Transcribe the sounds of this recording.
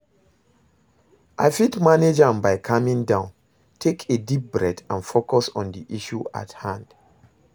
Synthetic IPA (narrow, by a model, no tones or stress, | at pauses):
ʔa̰ɪfitmaned͡ʒãmbaɪkʰamĩŋdãʊ̃n | tʰekʰedip̚bɹɛdãnfokɔsɔ̰̃ndiʔiʃua̰thãnd̥